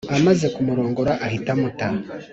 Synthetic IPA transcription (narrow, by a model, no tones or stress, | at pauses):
amaze̞kumuɾo̞ːŋɡoɾaʔːhitamuta